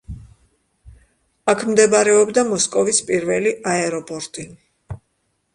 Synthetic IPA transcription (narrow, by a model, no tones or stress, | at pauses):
akʰmd̪ɛbaɾɛɔbd̪amɔskʼɔvispʼiɾvɛliʔaɛɾɔpʼɔɾt̪ʼi